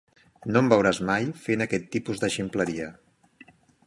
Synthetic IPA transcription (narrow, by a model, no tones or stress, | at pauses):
nombəwɾazmajfenəkɛt̪ːipuzd̪əʃimpləɾiə